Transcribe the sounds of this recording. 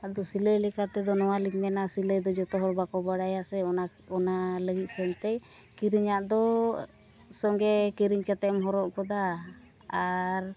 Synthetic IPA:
ad̪ɔsiləjlɛkat̪ɛd̪ɔnɔwalikmɛnasiləjd̪ɔd͡ʒɔt̪ɔɦɔɾbakɔbaɽajasɛɔa | ɔnaləɡit̪̚ˀsɛnt̪ɛj | kiɾiɲaʔd̪ɔ | sɔŋɡɛkiɾiɲkat̪ɛmɦɔɾɔʔkɔd̪aː | ɾ

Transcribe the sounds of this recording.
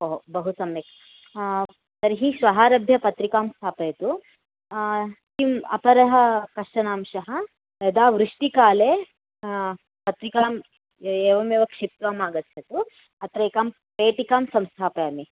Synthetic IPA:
ɐɦbɐɦusɐmek | t̪ɐɾɦiʃʋɐɦaːɾɐbʱjɐpɐt̪ɾikaːmst̪ʰaːpɐjɐt̪u | timɐ̰pɐɾɐɦɐkɐʂʈɐnaːmʃɐɦɐ | ɐd̪aːʋɾuʂʈikaːleː | pɐt̪ɾikaːm | eːʋɐmeːʋɐkʂip̚t̪ʋaːmaːɡɐt̪ʰːɐt̪u | ɐt̪ɾɐkaːm | peːʈikaːmsɐmst̪ʰaːpɐjaːmi

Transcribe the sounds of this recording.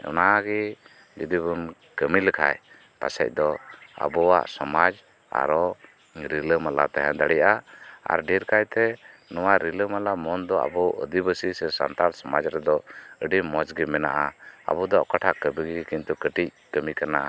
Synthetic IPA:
ɔ̰naaɡi | d͡ʒəd̪ibun | kəmiləkʰa̰j | pa̰sɛ̰c̚ˀd̪ɔa̰bɔwa̰ʔsɔmad͡ʒ | a̰ɾɔ | ɾiləmala̰t̪aɦɛ̃d̪aɽɛjʔaa̰ɾɖiɾkajt̪ɛnɔwaɾiləmalamɔnd̪ɔa̰bɔʔə̰d̪ibəsisɛsa̰nt̪aɾsɔmad͡ʒɾɛd̪ɔəɖimɔt͡ʃɡimɛna̰ʔaa̰bud̪ɔʔkaʈʰakəbiɡiɡkint̪ukəʈic̚kəmikanaʔa

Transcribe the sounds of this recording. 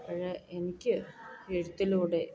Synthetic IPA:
pɐɻɐʔenikʲːɨeɻut̪ːiluːɽe̞

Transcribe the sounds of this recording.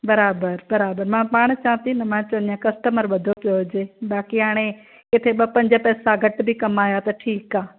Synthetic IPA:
bɐɾaːbəɾbɐɾaːbəɾmãːpaːɽ̃t͡ɕɐːə̃t̪inɐmãːt͡ɕɐ̃nijãkɐsʈəməɾʋɐd̪ʱopijoɦʊd͡ʑeːɓaːkiɦaːɽ̃e | kɪt̪ʰeɓɐpɐ̃ɲd͡ʑəpɛːsaɡʱɐʈbʱikɐmaːjat̪ɐʈʰiːkaː

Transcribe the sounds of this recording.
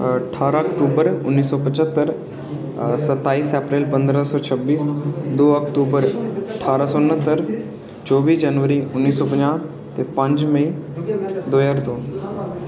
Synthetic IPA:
əʈʰaːɾaəkʈuːbəɾʊnːiːsːɔpət͡ʃət̪ːəɾ | sət̪ːaːiːsɛpɾeːlpə̃nd̪ɾəsɔːt͡ʃʰəbːiːsd̪oːəkʈuːbəɾəʈʰaːɾasɔnːət̪ːəɾ | t͡ʃɔːʋiːsd͡ʒanʋəɾiʊnːiːsːɔːp̬əɲãː | t̪epə̃ɲd͡ʒməi | d̪oːjaɾt̪oː

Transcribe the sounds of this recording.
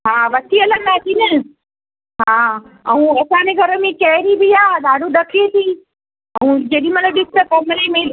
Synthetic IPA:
ɦaːʋɐt̪ʰiɐləɡnaːt̪ʰinɐ | ɦãː | ɐũɐsãneɡʱɐɾəmẽt͡ʃɐɦɾibiaːɗ̪aːɖuɗɐkʰet̪ʰiː | ɐũd͡ʑɐɗĩmɐnəɗɪst̪ɐkɐmɾemẽ

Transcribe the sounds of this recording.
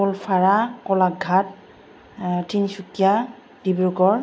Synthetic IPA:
ɔlpʰaɹakɔlak̚ɡʱat̚ | tʰinsukija | d̥ibɹukɔɹ

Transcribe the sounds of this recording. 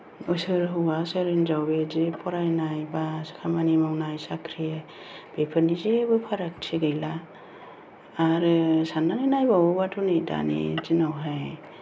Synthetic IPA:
ɔjsɯɾɦɯwaseɾɯnzawbezipʰɔɾajnajbasɯ̥kʰamanimawnajsakʰɾie | b̥epʰɯnizebɯpʰaɾak̚sʰiɡɯjla | ɾɯsananajnajbawɯbatʰunejda̰nḭzinawɦaj

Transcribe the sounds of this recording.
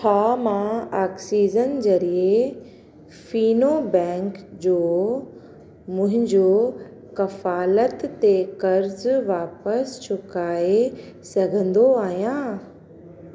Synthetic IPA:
tʰaːmãaːksiːzənd͡ʑɐɾie | fiːnobɛ̃ːŋkd͡ʑoː | mʊ̃ɦɪ̃ɲd͡ʑoː | kɐfaːlət̪ːekɐɾzʋaːpəst͡ɕʰʊkaːesɐɡʱə̃nd̪oaːɦijãː

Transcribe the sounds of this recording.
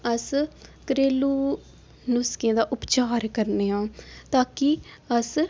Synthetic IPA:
əskəɾeːluː | nʊskẽːd̪aːʔʊpt͡ʃaːɾkəɾneːɦãːt̪aːki | əs

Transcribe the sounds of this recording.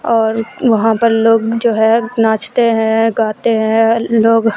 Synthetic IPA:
ɔːɾʋɐɦãpɐɾloːɡd͡ʒoːɦɛnaːt͡ʃt̪eɦɛ̃ɡaːt̪eɦɛ̃loːɡ

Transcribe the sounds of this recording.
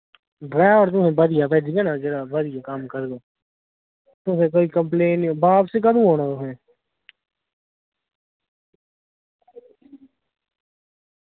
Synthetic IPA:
ɖɾɛːʋəɾt̪̬ʊmɛ̃bəd̪ɪjapɛːd̪iɡɛnad͡ʒeɾabɐd̪ɪjakaːmkəɾd̪oː | t̪ʊmẽk̬oːikɐ̃mpleːnbaːbsekɐd̪ũɦoːnat̪ʊɦɛ̃

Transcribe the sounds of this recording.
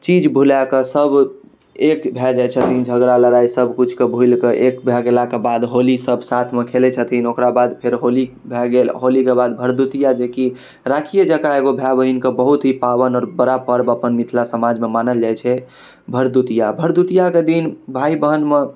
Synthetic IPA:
t͡ʃid͡ʒbʱulakesəb | ekbʱɛd͡ʒat͡ʃʰət̪ʰind͡ʒʱəɡɾaləɾaisəbkut͡ʃʰkebʱujlkeʔekbʱjaɡelakebad̪ɦolisəbʱsat̪ʰmekʰelet͡ʃʰət̪ʰinokɾabad̪pʰeɾɦoli | bʱɛɡelɦolikebad̪bʱəɾd̪ut̪ijad͡ʒeki | ɾakʰijəd͡ʒəkaeɡobʱjabəɦinkebəɦut̪ɦipaβənɔːɾbəɾapəɾbəpənmit̪ʰlasəmad͡ʒmemanəld͡ʒajt͡ʃʰɛ | bʱəɾd̪ut̪ijabʱəɾd̪ut̪ijaked̪inbʱaibəɦənme

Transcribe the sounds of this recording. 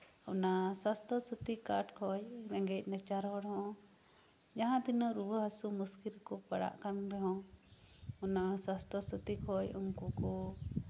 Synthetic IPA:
ɔnasast̪ɔsət̪ikaʈkʰɔjɾɛ̃ŋɡɛc̚ˀnɛt͡ʃaɾɦɔɽɦɔ̃ | d͡ʒaɦãd̪inɔɾubəɦasumuskilkɔpaɽa̰ʔkanbɛɦɔ̃ | ɔnasast̪ɔsət̪ikʰɔjuŋkukɔ

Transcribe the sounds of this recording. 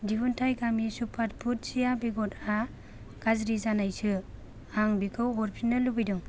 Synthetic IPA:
dibuntʰajɡamisupʰat̚pʰut̚sijabeɡɔta | ɡ̥azɾizanajsɯ | aŋbikʰɯwɔɾpʰinalːubɯjdɯŋ

